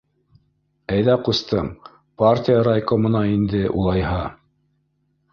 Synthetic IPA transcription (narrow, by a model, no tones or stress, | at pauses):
æjðæqust̪ɤm | partʲijəɾajkomŏnɑind̪ɘʔṵlˠɑjhɑ